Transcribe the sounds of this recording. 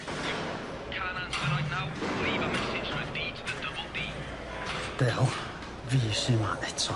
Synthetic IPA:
kʰanãnsəɾaɪnawliːvəmɛsɪ̥d͡ʒ̥ɹabiːtʰəðədʌbəlˠdiː | d̥ɛlˠ | viːsɪma̰ʔɛtʰɔ

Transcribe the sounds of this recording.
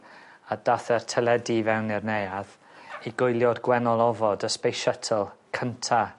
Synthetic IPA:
ad̥aθɛrtʰɛlˠɛdivɛwnɪrnejað | iɡʊjlˠjɔdɡwɛnɔlˠɔvɔdəspejʃɛtʰɔlˠkʰəntʰa

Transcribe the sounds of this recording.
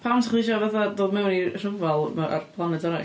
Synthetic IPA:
pʰawntʰaχlˠiʃɔvaθadoːmɛwnir̥əvɔlˠmaa̰rpʰlˠanɛdɔna

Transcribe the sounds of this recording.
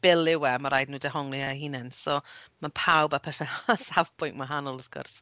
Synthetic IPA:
b̥ɪlˠɪwɛmaɾajdnuːdɛɦɔŋlˠiahiːnɛnsɔmanpʰawbapʰɛθɛasavpʰʊjnʔmwaɦanɔlˠɔθɡ̥ʊ̰rs

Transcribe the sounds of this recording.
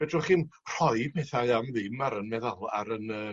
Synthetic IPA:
vɛdrɔχinr̥ɔɨpʰɛθaɨamðɪmaɾənmɛðalˠa̰ɾənəː

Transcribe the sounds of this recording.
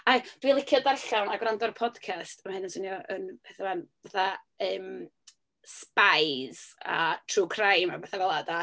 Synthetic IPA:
ad̥wiːlˠɪkʰjɔdarɬawnaɡwrandɔɾpʰɔd̥kʰastʰamahɨnənsənjɔʔənvɛθawanvaθa | əːm | spajz̥a̰tʰruːkʰrajmabaθavɛlˠada

